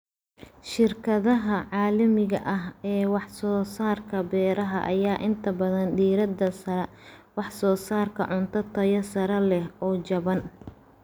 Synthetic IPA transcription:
ʃɪrkʰɐðɐɦɐʕɑːlɐmɪɣɐ̰ʔɐɦɛːwɑħsɔːsaːrkʰɐbɛːɾɐɦɐ̰ʔɐ̰jaːʔɪnt̪ʰɐbɐðɐndiːɾɐd̪ɐsɐɾɛ | wɑħsɔːsaːrkʰɐ̰ʕʊnt̪ʰɐt̪ʰɐjɐsɐɾɐlɛhɔːt͡ʃɐβɐn

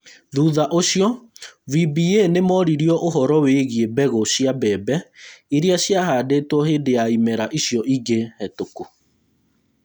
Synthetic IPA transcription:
ðuðaʔoɕjɔvibienemɔɾiɾjɔʔoɦɔɾɔweɣiebɛɣɔɕjabɛbɛiɾiaɕjaɦaːdeːtwɔheːdejaimɛɾaʔiɕjɔʔiɡehɛtoku

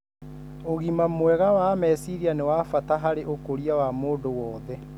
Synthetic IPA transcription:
oɣimamwɛɣawamɛsiɾianewaːfataɦaɾeʔokoɾiawamoːdowɔːðɛ

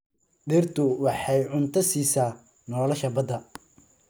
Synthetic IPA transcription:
ɖɪrt̪ʰʊwɑħɑjʕʊnt̪ʰɐsiːsaː | nɔːlɔʃɐbɐd̪ɐ

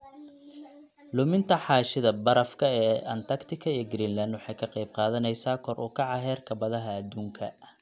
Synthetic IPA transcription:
lʊmɪnt̪ʰɐħɑːʃɪðɐbɐɾɐfkʰɐɛːʔɐnt̪ʰɐkt̪ʰɪkʰɐijɡɾiːnland̪wɑħɑjkʰɐqɑjb̚qɑːðɐnɛjsaːkʰɔrʔʊ̰ːkʰɑʕɑɦɛːrkʰɐbɐðɐɦɐːd̪ːuːŋkʰɐ̰

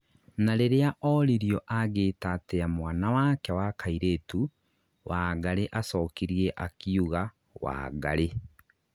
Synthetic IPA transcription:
naɾeɾeaʔɔɾiɾjɔʔaɣeːtatɛamwaːnawakɛwakʰaiɾeːtu | wʔaːɡaɾeʔasɔːkiɾieʔakiuɣa | wa̰ɡa̰ɾe

